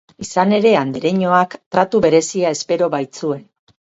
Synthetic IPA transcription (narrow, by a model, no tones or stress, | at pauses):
isane̞ɾe̞and̪eɾe̞ɲo̞akt̪ɾat̪uβe̞ɾe̞siae̞spe̞ɾo̞βajt͡sue̞n